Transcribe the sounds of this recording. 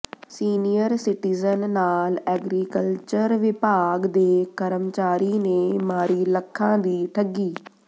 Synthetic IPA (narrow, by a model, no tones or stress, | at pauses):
siːnijəɾsɪʈiːzənːaːlɛːɡɾiːkəlt͡ʃəɾʋɪpaːɡd̪eːkəɾəmt͡ʃaːɾiːneːmaːɾiːləkʰːãːd̪iːt̪ʰəɡiː